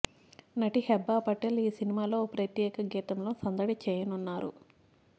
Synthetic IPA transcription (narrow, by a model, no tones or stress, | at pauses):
nɐʈihɛbːaːpɐʈːeliːsinimaːlo̞ːpɾɐt̪jɛːkɐɡiːt̪ɐmlo̞ːsɐnd̪ɐɽit͡ʃɛːjɐnunːaːɾṵ